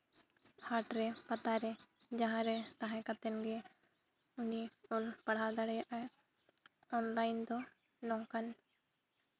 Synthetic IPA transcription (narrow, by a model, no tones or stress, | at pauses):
haʈɾɛpat̪aɾɛd͡ʒãɦãɾɛt̪ãɦɛ̃kat̪ɛnɡɛ | uniɔlpaɽ̤ɦad̪aɽɛjaʔaj | ɔnlajnd̪ɔ | nɔ̃kan